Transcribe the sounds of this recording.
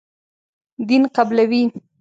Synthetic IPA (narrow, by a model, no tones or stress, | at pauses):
d̪inqablawi